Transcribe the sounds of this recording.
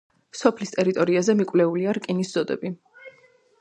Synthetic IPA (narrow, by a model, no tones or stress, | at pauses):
sɔpʰlist̪ʼɛɾit̪ʼɔɾiazɛmikʼvlɛuliaɾkʼinisdz̥ɔd̪ɛ̰bi